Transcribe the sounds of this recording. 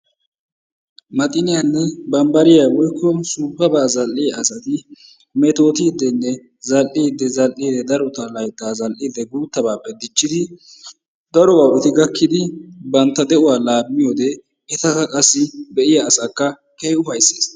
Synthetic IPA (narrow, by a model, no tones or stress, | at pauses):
mɐt̪ʼɪnɪjanːɛbɐmbɐɾɪjawɔjkːɔsuːpːɐbaːzɐlːɪjɐɐsɐt̪ɪ | mɛt̪o̞ːt̪iːd̪ːɛnːɛ | zɐlʔiːd̪ːɛzɐlʔid̪ɛd̪ɐɾɔt̪ɐlɐjt̪ːaːzɐlʔid̪ɛɡuːt̪ːɐbaːpːɛd̪ɪt͡ʃːɪd̪ɪ | d̪̥ɐɾɔwɐwɛt̪ɪɡɐkːɪd̪ɪbɐnt̪ːɐd̪ɛʔʊwaːlaːmːɪjoːd̪ɛ | ɛt̪ɐkɐkʼɐsːɪbɛʔɪjɐːsakːɐ | kɛjʊfɐjsːeːs